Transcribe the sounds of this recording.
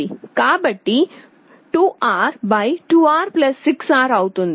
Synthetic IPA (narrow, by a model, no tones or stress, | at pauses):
ikabəʈːi | ʈuʔaɾbajʈuaːɾplɐsːiksaɾawt̪ũnd̪